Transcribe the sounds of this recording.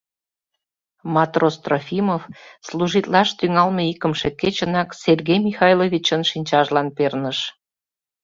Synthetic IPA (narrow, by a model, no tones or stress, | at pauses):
mɑt̪rost̪rofʲimofsluʒit̪lɑʃt̪yŋɑlmeikəmʃeket͡ɕənɑkserɣejmixɑjlovʲit͡ɕənʃinʲt͡ɕɑʒlɑnpernəʃ